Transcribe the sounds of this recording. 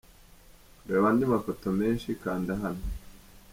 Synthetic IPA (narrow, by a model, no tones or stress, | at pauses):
ɾeːβandimafo̞to̞me̞ːnʃikaːndaɦano